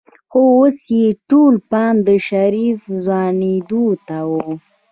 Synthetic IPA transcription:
xoosjeʈolpɑnd̪əʃaɾifzwɑned̪ot̪awo

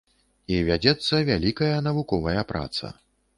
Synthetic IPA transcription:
ivʲad͡zʲɛt̪sːɐvʲalʲikɐjɐnɐvukɔvɐjɐpɾa̰t̪sɐ̰

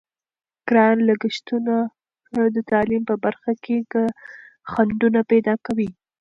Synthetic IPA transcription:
kɾɑnlaɡɪʃt̪una | d̪ət̪ɑlimpəbaɾxakeka | xaɳɖ̪unapɛd̪ɑkawi

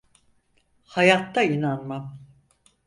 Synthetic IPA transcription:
hajat̪ːainanmam

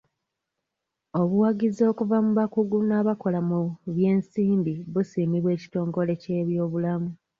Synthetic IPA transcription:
o̞βuwaɟizo̞ːkuvamuβakuɡunaβako̞lamuβje̞ːnsiːmbiβusiːmiβwe̞ːci̥to̞ːŋɡo̞le̞ce̞ːβjo̞ːβulamu

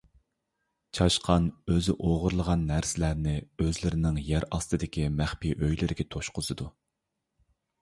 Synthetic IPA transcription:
t͡ʃʰɑʃqʰɑnøzɪʔoʁʊɾlˠəʁɑnːæɾsɪlæɾnɪøzlɪɾɪnɪŋjæɾɑst̪ɨd̪ɪkʲimæχpiʔøjlɪɾɪɡʲɛt̪ʰoʃqʊzɨd̪u

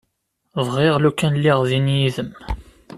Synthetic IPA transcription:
ðˤʁɪʁlukːænlːɪʁðinjiðəm

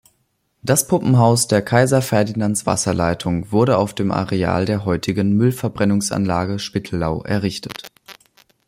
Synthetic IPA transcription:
d̥aspʰʊpm̩ɦaʊsd̥eːɐkʰaɪzɐfɛɐdinant͡sv̥a̰sɐlaɪtʰʊŋvʊɐɾəaʊfd̥eːmʔa̰ʁea̰ːldeːɐɦɔʏtʰɪɡənmʏlfɛɐbʁɛnʊŋsʔa̰nlaːɡəʃpɪtʰl̩laʊʔɛ̰ɐʁ̞ɪçtʰə̥t

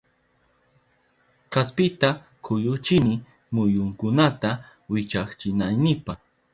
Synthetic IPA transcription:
kaspɪt̪a | kʰʊjʊt͡ʃɪnɪ | mʊjʊŋkʊnat̪a | wɪt͡ʃaχt͡ʃɪnajnɪpaχ

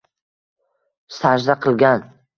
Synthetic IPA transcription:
saʒd̪aqʰɨlˠɡʲan

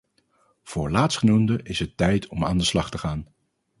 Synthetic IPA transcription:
v̥ʊːɹlaːtsχənumdəʔɪsɦətːɛjtʰɔma̰ːndəslɑχtəχaːn

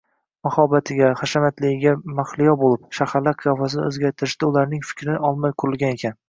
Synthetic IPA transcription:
mahɒbat̪ʰɪɡʲaχaʃamat̪lɪɪɡʲamaχlˠɪjɒbolɪp̚ʃahaɾlaɾqʰɨjɒfasɪn̰ɵzɡʲaɾt̪ʰɪɾɪʃd̪̥aʊlaɾnɪŋfɪ̥kʲɾɪnɒlˠmajqʰʊɾɪlˠɡʲane̞kʲʰan

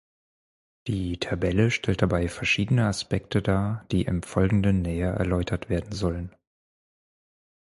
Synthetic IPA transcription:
d̥iːtʰabɛləʃtʰɛlt̚d̥abaɪfɛɐʃiːdənəaspɛktʰədaːd̥iːʔɪ̰mfɔlɡŋ̩dənːɛːɐʔɛ̰ɐlɔʏtʰɐtv̥eːɐdn̩zɔlən

